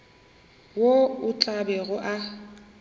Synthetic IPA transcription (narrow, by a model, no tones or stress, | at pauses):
woʊt͡ɬʼabɛɣʊʔa